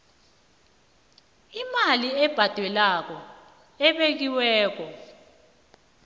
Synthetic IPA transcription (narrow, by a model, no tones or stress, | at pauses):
imaliɛb̥ʱad̥ʱwɛlak̬ɔ | ɛɓek̬iwɛːk̬ɔ